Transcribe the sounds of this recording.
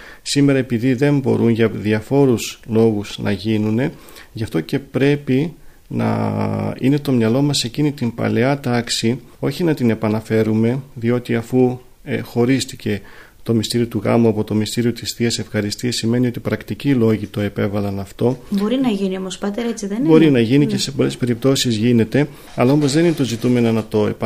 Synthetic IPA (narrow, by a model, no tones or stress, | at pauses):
sime̞ɾɐe̞piðiðe̞mbo̞̰ɾʔunʝɐðiɐfo̞ɾuzlo̞ɣuz̥nʔɐ̰ʝinune̞ | ʝɐft̪o̞ce̞pɾe̞pi | nɐ̰ḭne̞t̪o̞mɲɐlo̞mɐse̞cinit̪impɐ̰le̞ɐt̪ɐksi | o̞çinɐt̪ine̞pɐnɐfe̞ɾume̞ðio̞t̪iɐfu | xo̞ɾist̪ice̞ | t̪o̞mist̪iɾio̞t̪uɣɐ̰muɐpo̞t̪o̞mist̪iɾio̞t̪isθiɐse̞fxɐɾist̪iɐsime̞nio̞t̪ipɾɐkt̪icilo̞ʝit̪o̞e̞pe̞vɐlɐnɐft̪o̞bo̞ɾinɐʝiniomospɐt̪eɾet͡siðebo̞ɾinɐʝinice̞se̞po̞le̞spe̞ɾip̚t̪o̞sizʝine̞t̪e̞ | ɐlɐo̞mo̞zðe̞ninet̪o̞zit̪ume̞nonɐt̪o̞e